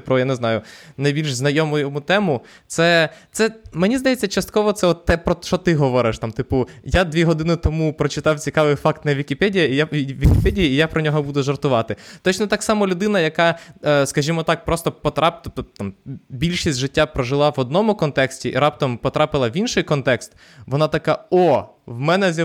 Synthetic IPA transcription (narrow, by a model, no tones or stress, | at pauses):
pɾɔjanɪznɑjʊnɐjbʲilʲʒznɐjɔmʊjɔmut̪ɛmʊ | t̪sɛt̪sɛmenʲizd̪ɐjett͡sʲːɐt͡ʃɐst̪̚kɔʋɔt̪sɛɔt̪ːɛpɾɔt͡ʃɔt̪ɪɦɔʋɔɾɪʃt̪ɑmt̪ɪpʊjad̪ʋʲiɦɔd̪ɪnɪt̪ɔmupɾɔt͡ʃɪt̪ɑwt͡sʲikɑʋɪjfɑkt̪nɐʋʲikʲipɛdʲijɐijaʋʲʋʲikʲipɛdʲijɐijapɾɔnʲɔɦɔbud̪ʊʒɐrt̪ʊʋɑt̪ɪt̪ɔt͡ʃnɔt̪ɑksɑmɔlʲʊd̪ɪn̪ɐjɐkɑskɐʒʲimɔt̪ɑk̚pɾɔst̪ɔpɔt̪ɾɑp̪t̪ɑmbʲilʲʃisʲtʲʒɪtʲːapɾɔʒɪlˠɑʋɔd̪̚nɔmʊkɔnt̪ɛksʲtʲiḭɾɑp̚t̪ɔmpɔt̪ɾɑpɪlˠɐʋʲinʃɪjkɔnt̪ɛkst̪ | ʋɔnɑt̪ɐkaɔ | wmɛnɛzʲj